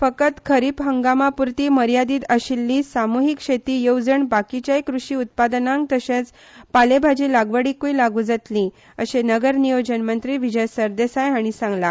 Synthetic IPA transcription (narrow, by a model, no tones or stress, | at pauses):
fəkət̪kʰəɾipɦəŋɡamapuɾt̪iːməɾjad̪iːt̪əɕilːiːsamuɦikʂet̪iːjowd͡zəɳbakit͡ɕajkɾuʂiːut̪̚pad̪nãŋɡ̚t̪əɕẽt͡s | palebʱad͡ʑilaɡʋəɽiːkujlaɡuːd͡zat̪lĩ | əɕenəɡəɾnijod͡ʑənmənt̪ɾiːʋid͡ʑəjsəɾd̪esajaɽ̃isãŋɡla